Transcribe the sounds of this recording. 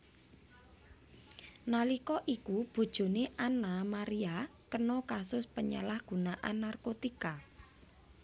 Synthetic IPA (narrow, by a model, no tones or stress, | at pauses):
nalikɔʔikub̥o̤d̥ʒ̥o̤neʔanamaɾiakənɔkasʊspəɲa̰lahɡ̥ṳnaʔanːarkot̪ika